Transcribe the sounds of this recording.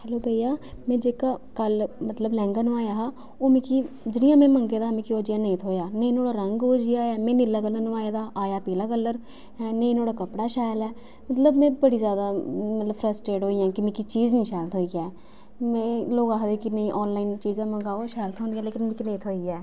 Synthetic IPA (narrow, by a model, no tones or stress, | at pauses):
hɛloːbəijaːmɛ̃ːd͡ʒeːkaːkəlmət̪ləblɛ̃ːŋɡaːnũːaːjaːɦa | oːmɪ̃ːkiː | d͡ʒɪnɪjãːmɛ̃ːməŋɡeːd̪aːmẽːkioːd͡ʒɪjaːnĩt̪ʰɦoːjaːneĩnoːɽaːɾəŋɡoːd͡ʒiaːaːmɛ̃ːnɪlːaːkəlːənũːaːed̪aːʔaːjaːpiːlaːkəlːəɾ | neĩnoːɽaːkəpɽaːʃaːjlɛː | mət̪ləbmɛ̃ːbəɽiːzjaːd̪aːmət̪ləpʰɾəsʈɾeːʈɦoːiːãːkɪmẽːkit͡ʃiːd͡ʒnĩːʃɛːlt̪ʰɦoːiːɛː | mɛ̃ːloːɡaːɦd̪eːkinəĩːʔɔːnlaːiːnt͡ʃiːzãːməŋɡaːoːʃɛːlt̪ʰɦõːnd̪iːaːleːkɪnmẽːkɪnẽːt̪ʰoːiːɛː